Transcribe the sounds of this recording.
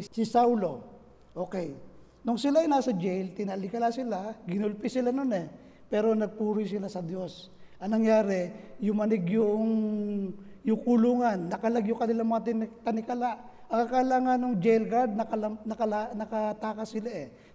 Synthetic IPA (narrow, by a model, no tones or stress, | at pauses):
sɪsawlo̞ | ʔoːkɛj | nʊŋsɪlaɐjnaːsɐd͡ʒɛjlt̪ɪnalɪkɐlasɪlaɡɪnʊlpɪsɪlanonɛ | pɛːɾo̞nɐɡ̚puːɾʊjsɪlasɐd̪jo̞s | ʔɐŋnɐŋjaːɾɛjʊŋmɐnɪɡjʊŋ | jʊŋkʊluːŋanːɐkɐlaɡjʊŋkɐnɪlaŋmɐŋat̪ɪnt̪ɐnɪkɐlaʔ | ʔɐŋkakɐlaːŋɐnːʊŋd͡ʒɛjlɡaɹd̪̚nɐkɐlɐmnɐkɐlanɐkɐt̪aːkɐsɪlaʔɛ